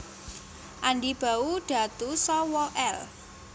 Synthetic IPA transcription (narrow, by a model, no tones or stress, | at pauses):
ʔanɖib̥a̤uɖ̥ä̤t̪usɔwɔʔɛl